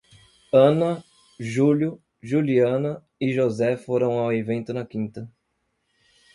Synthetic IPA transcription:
ɐ̃nɐ | ʒuljʊ | ʒuliɐ̃nɐ | iʒozɛfoɾɐ̃w̃awevẽnt̪ʊnɐkĩnt̪ɐ

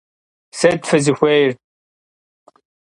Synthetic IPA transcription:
set̪fɐzixʷejɾ

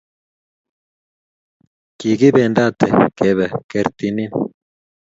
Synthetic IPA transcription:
kiɡibeːnd̪aːt̪ʰḛkeβɐkɐɾt̪inin

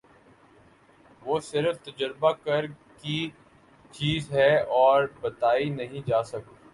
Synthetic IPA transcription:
ʋoːsɪɾəft̪ɐd͡ʒəɾbakəɾ | ki | t͡ʃiːzɦɛɔːɾbɐt̪aːinɐɦĩd͡ʒaːsɐko

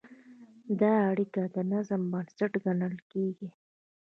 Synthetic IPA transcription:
d̪ɑːɽikad̪ənazəmbansaʈɡaɳəlkeɡi

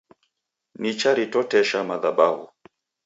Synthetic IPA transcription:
nit͡ʃaɾitɔtɛʃamaðaɓahṵ

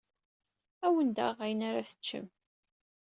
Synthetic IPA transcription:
æwənd̪æ̰ʁæjənaɾaθə̥t͡ʃːə̰m

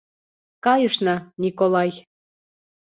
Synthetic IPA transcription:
kɑjɤʃnɑnʲikolɑj

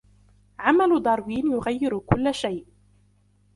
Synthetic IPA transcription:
ʕamald̪ˤɑɾˤwiːnjʊɣajːɪɾkʊlːaʃajʔ

